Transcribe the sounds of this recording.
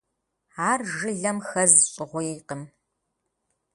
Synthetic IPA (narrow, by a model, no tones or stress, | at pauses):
aːrʒɨɮɐmxɐzɕʼɪʁʷʊjiːqəm